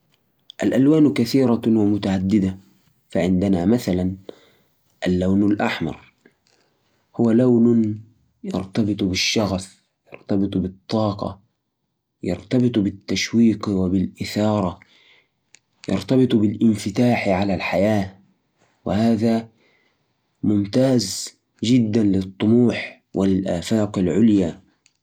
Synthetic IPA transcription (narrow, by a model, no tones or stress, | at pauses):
ʔalʔalwaːnkaθiːɾˤɑwɪmʊt̪aʕad̪ːɪd̪a | faʕɪnd̪ɪnamaθalan | ʔalːawnalʔaħmɑ̰ɾˤ | hʊwalawn | jɑ̰ɾˤt̪ɑbɨt̪ˤbɪʃːɑɣaf | jɑ̰ɾt̪ɑbɨt̪ˤbɨt̪ˤːɑːqɑ̰ | jɑ̰ɾˤt̪ɑbɨt̪ˤbɪt̪ːaʃwiːqwɪbɪlʔɪθɑːɾˤɑ | jɑ̰ɾt̪ɑbɨt̪ˤbɪlʔɪnfɪt̪aːħʕalalħajaː | wɪhaːða | mʊmt̪aːz | d͡ʒɪd̪ːanlɪt̪ˤːʊmuːħ | wʔɪlɪlʔaːfaːqɪlʕʊlja